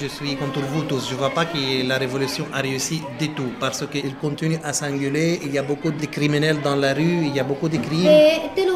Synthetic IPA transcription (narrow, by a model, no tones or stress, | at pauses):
ʒəsɥikɔ̃t̪uɾvut̪usʒəvwapakəlaʁevɔlysjɔ̃ʔaʁeysid̪et̪upaʁsəkəilkɔ̃t̪inyʔasɛ̃ɡyleiljabokud̪əkʁiminɛld̪ɑ̃laʁyiljabokud̪əkχimt̪en